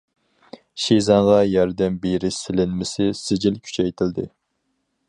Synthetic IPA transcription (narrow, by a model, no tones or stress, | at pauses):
ʃezɑɴʁɑjɑɾd̪ɛmbeɾɪsɪlɪnmɪsɪsɪd͡ʒɪlkʲʰy̥t͡ʃʰɛjt̪ʰɪld̪ɪ̰